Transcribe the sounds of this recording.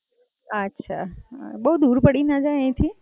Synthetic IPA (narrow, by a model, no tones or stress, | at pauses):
ətːʃʰa̰bəud̪uɾpəɽinad͡ʒajẽt̪ʰi